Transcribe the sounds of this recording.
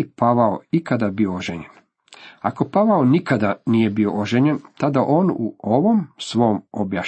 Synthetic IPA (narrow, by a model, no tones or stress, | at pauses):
paʋaoikad̪abiooʒeɲen | ako̞paʋaonikad̪anije̞bio̞̰ʔoʒeɲent̪ad̪aʔo̞ːnuoʋo̞msʋo̞omobjaʃ